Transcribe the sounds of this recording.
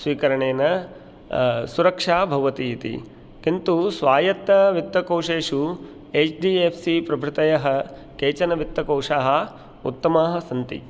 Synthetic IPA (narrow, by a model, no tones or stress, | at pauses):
sʋiːkɐɾɐɳeːnɐ | suɾɐkʂaːbʱɐʋɐt̪iit̪ḭ | kint̪usʋaːjɐt̪ːɐʋit̪ːɐkoːwʂeːʂu | eːt͡ʃɖiːepʰsipɾɐbʱɾɪt̪ɐjɐɦɐ̆ | keːt͡ʃɐnɐʋit̪ːɐkɐwʂaːɦɐ̆ | ṵt̪ːɐmaːɦɐ̆sɐnt̪ḭ